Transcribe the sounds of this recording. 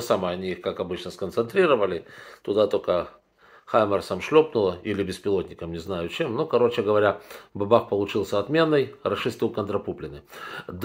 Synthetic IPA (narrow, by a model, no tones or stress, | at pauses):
saməɐnʲiixkakɐbɨt͡ɕnəskənt̪sɨnt̪ɾʲiɾəvəlʲɪt̪ʊd̪at̪o̞kə | xajmərsamʂlʲo̞pnʊlˠəilʲɪbʲɪspʲɪlˠot̪ʲnʲɪkəmnʲɪznajʊt͡ɕemnokɐɾo̞t͡ɕɪɡəvɐɾʲabɐbaxpəlˠʊt͡ɕilˠsʲəɐt̪mʲe̞nːɨjrɐʂɨst̪ʲɪlˠkənt̪ɾɐpuplʲɪnɨd̪